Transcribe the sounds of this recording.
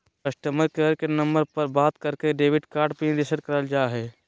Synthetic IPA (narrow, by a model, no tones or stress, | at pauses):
kəʃʈəməɾkəɾkenɐ̃mbəɾpɐɾbaːt̪kəɾkeɖeːʋɪɖkaːɾɖpind̪ɪsəɖkɐɾəld͡ʒaːɦɛː